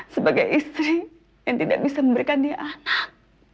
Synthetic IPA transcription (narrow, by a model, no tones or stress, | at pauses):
səbaɡajʔist̪ɾi | jaŋt̪ida̰ʔbisaməmbəɾikandiʔanak̚